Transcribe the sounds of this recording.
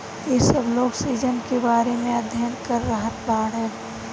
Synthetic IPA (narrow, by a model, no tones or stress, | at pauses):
jesəbloːɡsiːzənkebaːɾemẽəd̪ʱjənkəɾːəɦət̪baːɽɦɛː